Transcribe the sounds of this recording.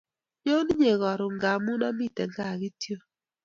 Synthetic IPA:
ɲo˦n˦ɲe˨ɣɔ˨ɾʊ˨ŋɡa˨mu˦nɔ˦mi˦˨tɛ˨ŋɡa˦˨ɣi˦tjo˦

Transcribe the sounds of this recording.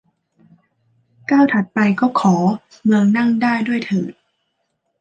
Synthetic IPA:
kaː˥˩wt̪ʰa˨˩t̪̚pa˧jkɔː˥˩kʰɔː˩˦ | mɯ˧əŋna˥˩ŋdaː˥˩jdu˥˩əjt̪ʰɤː˨˩t̪̚

